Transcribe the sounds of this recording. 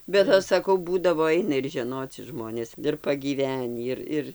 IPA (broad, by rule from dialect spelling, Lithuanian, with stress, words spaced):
bʲɛt ˈɐʃ sɐˈkɐʊ ˈbuːdɐʋoː ˈɐɪnɐ ɪr ʒʲɛˈnoːt͡sʲɪ ˈʒmoːnʲeːs ɪr pɐɡʲiːˈʋʲæːnʲiː ɪr ˈɪr